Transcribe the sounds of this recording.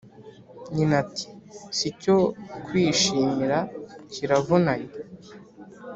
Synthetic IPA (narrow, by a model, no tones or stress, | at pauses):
ɲinati̥sico̞kwiːʃiːmiɾaciɾavonaɲe